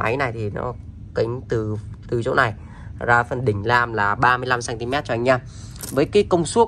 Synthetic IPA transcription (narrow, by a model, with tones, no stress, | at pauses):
ʔa̰˨˦jna˨˩jt̪ʰi˨˩nɔ̰˨˦ | kï˨˦ŋ̟t̪ɨ˨˩t̪ɨ˨˩t͡ɕo˨˦na˨˩j | zaː˧fə˨˩nɗï˧˩ŋ̟laː˨˩mlaː˨˩ɓaː˧mɨ˧əjla˧msaː˧nt̪i˧mɛ˦˥t̚t͡ɕɔ˧ʔŋ̟ɲaː˧m | vəː˨˦jkaː˨˦jkə˧wŋ͡msu˦˥ək